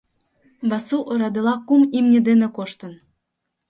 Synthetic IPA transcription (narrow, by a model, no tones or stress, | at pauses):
βɑsuʔoɾɑd̪elɑkumimnʲed̪enĕkoʃt̪ə̆n